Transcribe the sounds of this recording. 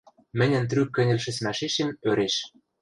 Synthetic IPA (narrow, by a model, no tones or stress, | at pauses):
mɘ̆nʲɘ̆nt̪̬rykːɘ̆nʲɘ̆lʃɘ̆smæʃeʃemøɾeʃ